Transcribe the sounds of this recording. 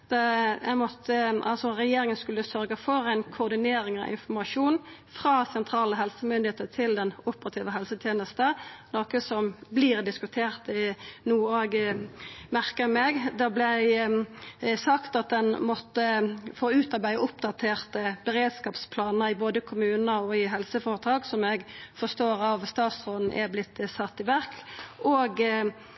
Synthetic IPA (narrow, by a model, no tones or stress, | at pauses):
ɛɡmɔt̪ʰːəʔɑ̰lsɔʁɛjeːɾɪŋənskʉlːəsœɾɡəfɔʁæɪnkʰʊːʁd̪ɪneːɾɪŋɑ̰ʔɪ̰nfɔmɑʂuːnfʁɑːsɛnt̪ʰɾɑːləɦɛlsəmʏnd̪ɪeːt̪ət̪ʰɪld̪ɛnʊpəɾɑt̪ʰiːʋəɦɛlsət̪ʰjeːnəst̪ənoːkəsɔmbliʁd̪ɪskʉt̪ʰeːʁt̪nuːoːɡ | mæʁkəmeɡd̪ɛblɛ | sɑkt̪ɑt̪̚d̪ɛnmɔt̪ːəfoːʉːt̪ɑʁbæɪəʊpd̪ɑt̪ʰeːʁt̪əbəʁeːd̪skɑːpspʰlɑːnəɾɪboːd̪əkʰʊmʉːnəɔɪɦɛlsəfɑːʁət̪ʰɾɑːksɔmɛɡfɔʁst̪oːɾɑʋst̪ɑːt̪sʁoːd̪n̩ʔɛ̰blɪt̪ːsɑt̪ːɪʋæʁkoːɡ